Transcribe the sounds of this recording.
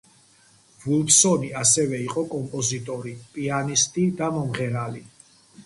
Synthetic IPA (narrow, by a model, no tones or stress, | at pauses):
vulˠpsɔniasɛvɛiqʼɔkʼɔmpʼɔzit̪ʼɔɾipʼianist̪ʼid̪amɔmʁɛɾali